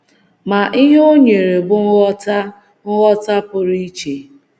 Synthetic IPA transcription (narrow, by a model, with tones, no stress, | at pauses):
ma˨ʔi˦ɦe˦o˦ɲe˨ɾe˨bʊ˦ɔ˦ta˦ | ŋ̩˦ɣɔ˦ta˦pʊ˨ɾi˦t͡ʃe˨